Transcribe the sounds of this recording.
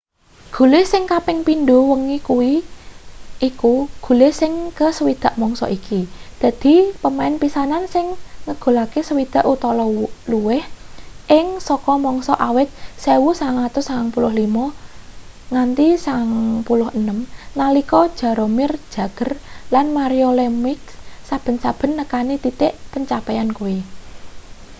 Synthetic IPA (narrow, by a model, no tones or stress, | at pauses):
ɡ̥ṳlesɪŋkapɪŋpind̪owəŋikuwiː | kuɡ̥ṳlesɪŋkəsəwid̪̥a̤ʔmɔŋsɔ̰ʔikid̪̥ä̤d̪̥i̤pəmaɪnpisanansɪŋːəɡ̥o̤lakesəwid̪̥a̤ʔut̪ɔlɔluwɪhʔɪŋsɔkɔmɔŋsɔʔawɪt̪̚sewusaaŋlat̪ʊsaaŋpulʊhlimɔ | ŋant̪isaŋpulʊhənəmnalikɔd̥ʒ̥ä̤ɾomɪrd̥ʒ̥a̤ɡ̥ə̤rlanmaɾiolɛmɪksab̥ə̤nsab̥ə̤nːəkanit̪it̪eʔpəɲt͡ʃapɛankuwi